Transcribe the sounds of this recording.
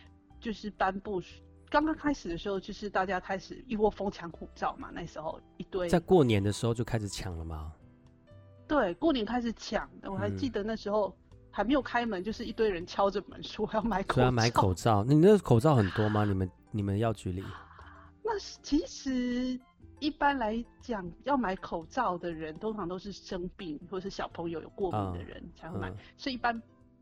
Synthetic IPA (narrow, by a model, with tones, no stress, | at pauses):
t͡ɕjo˥˧ʊʂɻ̩˥˩p̪a˥npu˥˧˩ | kɑ˥ŋkɑ˥ŋkʰa˥ɪʂɻ̩˨˩ə˩ʂɻ̩˧˥xo˥˧ʊt͡ɕjo˥˧ʊʂɻ̩˥˧t̪a˥˩t͡ɕja˥kʰa˥ɪʂɻ̩˨˩i˥˧wɔ˥˩fo˥ŋt͡ɕʰjɑ˧˥˦ŋkʰu˨˩ʈ͡ʂɑ˥˩ʊma̰˩na˥˩ʂɻ̩˧˥xo˥˧ʊ | i˧˥t̪we˥˩ɪt͡sa˥˧ɪkwɔ˥˩njɛ˧˦nd̪ə˧˨ʂɻ̩˧˥xo˥˧ʊt͡ɕjo˥˩ʊa˥ɪʂɻ̩˨˩t͡ɕʰjɑ̰˨˩ŋlə˨mɐ˨ | t̪we˥˩ɪkwɔ˥˩njɛ˧˥nkʰa˥ɪʂ̬̩˨˩t͡ɕʰjɑ˨˩˦ŋn˩wɔ˨˩sa˧˦ɪt͡ɕi˥˩d̪ə˩˦na˥˩ʂɻ̩˧˥xo˥˧ʊ | xa˧˥ɪme˧˥jo˨˩kʰa˥ɪmə˨˦nt͡ɕjo˥˧ʊʂ̬ɻ̩˥˧i˥˧t̪we˥˩ɪɻə˧˦nt͡ɕʰjɑ˥ʊʈ͡ʂə˨mə̰˧˦nʂwɔ˥jɑ˥˩ʊma˧˥ɪkʰo˧˨˥ma˧˦ɪkʰo˨˩ʊt͡sɑ˥˨ʊni˨˩ə˦kʰo˨˩ʊt͡sɑ˥˩ʊxə˨˩nt̪wɔ˦ma˨ni˨˩mə˦n | ni˨˩mə˦njɑ˥˩ʊt͡ɕy˧˥lḭ˨˦na˥˩t͡ɕʰi˧˥ʂɻ̩˧˥˦ | i˥˩pa˥nla˧˥ɪt͡ɕjɑ˨˩ŋjɑ˥˩ʊma˧˥ɪkʰo˨˩ʊʈ͡ʂɑ˥˩ʊd̪ə˨˩ɻə˧˦nt̪ʰo˥ŋʈ͡ʂʰɑ˧˥ŋt̪o˥ʊʂ̬ɻ̩˥˩ʂə˦ŋpi˥˧ŋxwɔ˥˩˨ə˨˩ʂɻ̩˥˩ɕjɑ˨˩ʊpʰɤ˧˥ŋjo˧ʊjo̰˨˩ʊkwɔ˥˩mḭ˧˨˧nd̪ə̰˧ɻə̰˧˦nt͡ɕʰa˧˥xma˨˩ɪswɔ˧˥i˧i˥˩pa˥n